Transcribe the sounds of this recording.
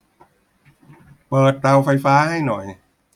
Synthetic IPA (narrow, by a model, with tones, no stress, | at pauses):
pɤː˨˩t̪̚ːa˧wfa˧jfaː˦˥ha˥˩jnɔ˨˩j